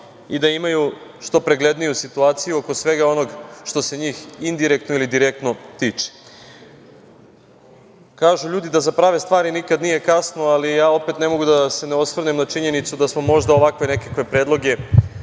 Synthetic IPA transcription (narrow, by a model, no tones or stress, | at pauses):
id̪aimajuʃt̪o̞pɾe̞ɡle̞d̪nijusit̪uaːt̪sijuo̞kosʋe̞ɡao̞no̞ɡʃt̪o̞se̞ɲiːxind̪iɾekt̪noilid̪iɾe̞k̚t̪no̞t̪iːt͡ʃe̥ | kaːʒuʎuːd̪id̪azapɾaːʋe̞st̪ʋaːɾinikad̪nije̞kasnoalijaːo̞pe̞t̪ne̞mo̞ɡud̪ase̞neosʋr̩nemnat͡ʃiɲe̞nit̪sud̪asmo̞mo̞ʒd̪aoʋakʋe̞ne̞kakʋe̞pɾeːd̪lˠo̞ɡe̞